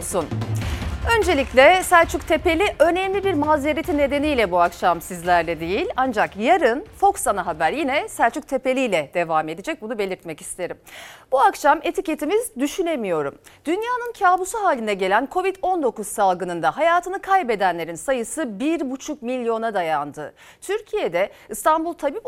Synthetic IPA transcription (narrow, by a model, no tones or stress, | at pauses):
sun | ø̞nd͡ʒe̞lʲiclʲɛsælʲt͡ʃʰyct̪ʰe̞pe̞lʲiʔønɛmlʲibiɾmaːzeɾet̪ʰinːe̞d̪e̞nijlʲɛbuakʃamsizlʲæɾlʲɛd̪ejilʲand͡ʒakjaɾɯnfo̞ksanaɦabæɾjinɛsælʲt͡ʃʰyk̚t̪ʰe̞pe̞lʲijlʲɛd̪̥e̞vaːme̞d̪id͡ʒɛc̚bunube̞lʲiɾt̪mɛci̥st̪ʰe̞ɾimbuakʃame̞t̪ʰice̞t̪ʰimizd̪yʃyne̞mijo̞ɾṵmd̪̥ynjaːnɯncʰaːbusuɦaːlʲind̪ɛɟe̞lʲænkʰo̞vid̪o̞nd̪o̞kuz̥salˠɡɯnɯnd̪aɦajaːt̪ʰɯnɯkʰajbe̞d̪ænlʲe̞ɾinsajɯsɯbiɾbut͡ʃʰuk̚milʲjo̞nad̪ajand̪ɯ̰ | t̪ʰyɾcʰijed̪ɛɯst̪ʰanbulˠt̪ʰabiː